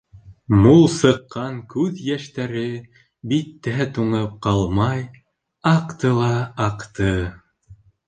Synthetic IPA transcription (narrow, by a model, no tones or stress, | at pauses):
mulˠsɤ̆qːɑŋkʉðjæʃt̪æɾɘ | bit̪ːæt̪uɴɤp̚qɑlˠmɑj | ɑqt̪ɤlˠɑɑqt̪ɤ